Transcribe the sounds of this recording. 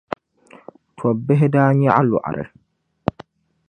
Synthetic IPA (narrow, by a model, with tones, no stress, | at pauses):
tʰɔ˨bːɛ˦ɦɪ˦daː˦ɲa˦ʔa˦lʊ̰˨ʔa̰˨ɾɛ̰˨